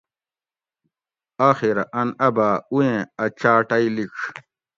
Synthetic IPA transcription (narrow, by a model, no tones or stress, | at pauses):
aːxiɾaʔɐnɐbaːujẽɐt͡ɕaːʈɐilik